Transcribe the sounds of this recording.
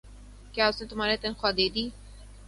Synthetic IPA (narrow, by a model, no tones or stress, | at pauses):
kjaːʊsnẽt̪ʊm̤aːɾet̪ənxwaːd̪eːd̪iː